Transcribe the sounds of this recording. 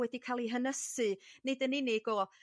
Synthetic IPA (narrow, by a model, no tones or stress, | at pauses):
wɛdikʰalˠiɦənəsɨnɨdənɪnɪɡ̥ɔ